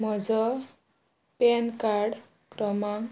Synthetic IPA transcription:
mʌd͡zʌ | penkaɽ | kɾʌmaŋ

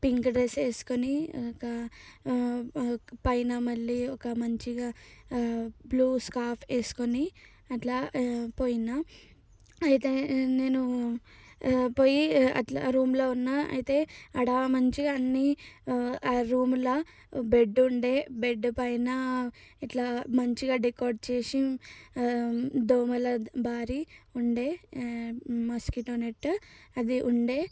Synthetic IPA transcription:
piŋkɖɾeseːsu̥konikɐ | pɐjnɐmɐɭːiɔkɐmɐɲt͡ʃiɡaː | bluːskaːpʰeːsu̥koni | ɐʈlaːpo̞ːjinaː | ɐjit̪e̞ːne̞ːnu | po̞ːjiɐ̰ʈla̰ɾuːmloːunːaɐ̰jit̪e̞ːɐɽamɐɲt͡ʃiɐnːi | ɾuːmulɐ | beɖːuɳɖe̞ːbeɖːupɐjnɐiʈlaːmɐɲt͡ʃiɡaːɖikoːɾɖt͡ʃeːsi | d̪oːmɐlɐbʱaːɾiuɳɖe̞ː | mɐskiʈoːneʈːɐd̪iʔuɳɖe̞ː

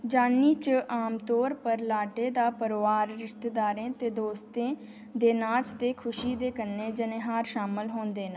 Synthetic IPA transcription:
d͡ʒaːniːt͡ʃəʔaːmt̪ɔːɾpəɾlaːɖeːd̪aːpəɾʋaːɾɾɪʃt̪eːd̪aːɾẽːt̪eːd̪oːst̪ẽː | d̪eːnaːt͡ʃt̪eːkʰʊʃiːd̪eːkənːeːd͡ʒənẽːɦaːɾʃaːməlɦoːnd̪eːnə

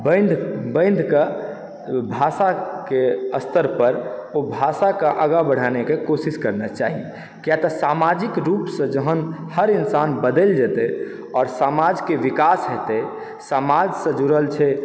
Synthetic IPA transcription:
bə̃nd̪ʱbə̃ɪ̃nd̪ʱke | bʱasakeəst̪əɾpəɾobʱasakeʔəɡabəɽ̤anekekosiskəɾnat͡ʃa̰ɦie | kjat̪ɔsamad͡ʒikɾupsə̃d͡ʒəɦənhəɾinsanbəd̪eld͡ʒɛt̪e | ɔːɾsamad͡ʒkeʋikasɦɛt̪e | samad͡ʒsə̃d͡ʒuɾəlt͡ʃʰɛ

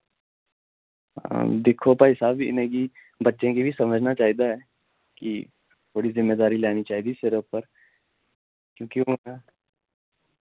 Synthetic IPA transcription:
d̪ɪkʰopaɪsaːbiɪ̰nẽki | bɐtːʃẽkibʱisɐməd͡ʒʱnat͡ʃaːɦid̪aɦɛ | ki | t̪ʰoːɽizɪmːeːd̪aːɾilɛːnit͡ʃaːɦid̪isɪɾəpːəɾ | kjõːkioa

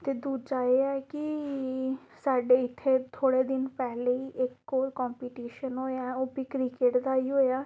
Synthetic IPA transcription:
t̪eːd̪uːd͡ʒaːeːɛːkɪ | saːɖeːɪt̪ʰːeːt̪ʰoːɽeːd̪ɪnpɛːleːiːʔɪkːoːɾkɔːmpiːʈiːʃənɦoːjaːoːbiːkɾɪkeʈd̪aːiːɦoːjaː

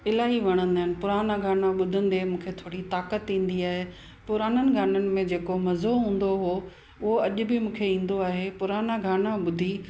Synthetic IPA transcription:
ɪlaːɦiʋɐɽ̃ə̃nd̪aːɦɪnɪ̆pʊɾaːnaɡʱaːnãɓʊd̪ʱə̃nd̪emũːkʰet̪ʰoːɽit̪aːkət̪ĩːn̆d̪iaːɦe | pʊɾaːnənɪ̆ɡʱaːnənɪ̆mẽd͡ʑeːkomɐzoɦũːn̆d̪oɦoː | ʊɦoɐʄʊbɪmũːkʰeĩːn̆d̪oaːɦepʊɾaːnaɡʱaːnãɓʊd̪ʱi

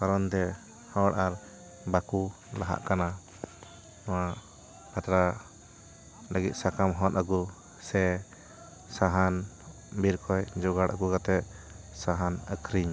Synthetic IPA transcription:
kaɾɔnt̪ɛ | hɔɽʔaɾ | baku | laɦa̰ʔkana | nɔwaʔ | pat̪ɾa | ləɡit̪̚sakamɦɔnəɡu | sɛ | saɦan | biɾkɔjd͡ʒɔɡaɽʔə̰ɡuɡat̪ɛ | saɦanə̰kʰɾiɲ

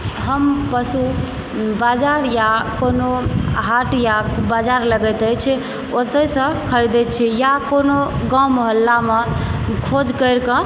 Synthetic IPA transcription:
ɦəmpəsu | bad͡ʒaɾjakonoɦaʈjabad͡ʒaɾləɡɛt̪ət͡ʃʰ | ot̪əsə̃kʰəɾd̪ɛt͡ʃʰijakonoɡãwməɦəlːamekʰod͡ʒkəɾkə̃

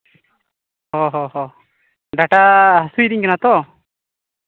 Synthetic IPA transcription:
ɦɔɦɔɦɔ | ɖaʈaɦasujd̪iɲkɛnat̪ɔ

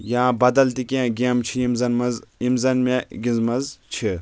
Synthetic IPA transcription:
jãːbɐd̪ɐlt̪ikʲẽːɡʲeːmt͡ʃʰijimzɐnmɐzimzɐnmeɡʲĩnzmɐzt͡ʃʰi

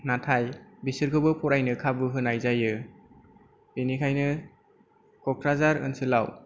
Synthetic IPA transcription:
natʰajbisɯɾkʰɯbɯpʰɔɾajnɯkʰabɯɦɯnajzajɯ | b̥inikʰajnɯ | kɔkʰɾazaɾɯ̰nsɯlaw

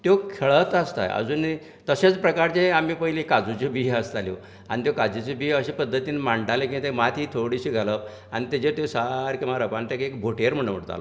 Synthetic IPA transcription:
t̪jokʰeɭət̪əst̪a̰jə̰d͡zuːni | t̪əɕet͡spɾəkaɾt͡ɕẽamiːpəɦilikad͡zut͡ɕebiɦəst̪alḭ | a̰nit̪jokad͡zit͡sebiɦəɕipəd̪ʱːət̪iːnmaɳɖalẽkĩt̪ẽmat̪ʰit̪ʰoɽiɕiːɡʱalə | a̰ñit̪ed͡ʑet̪osaɾkimaɾəpant̪ekekbʱoʈeɾm̤əɽ̃m̤əɽt̪a̰l

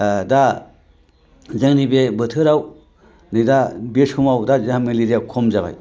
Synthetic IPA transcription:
da | zaŋnibebətʰɯɾaw | nɯdabesʰumawdazɯɦameliɾijakʰomzaba̰j

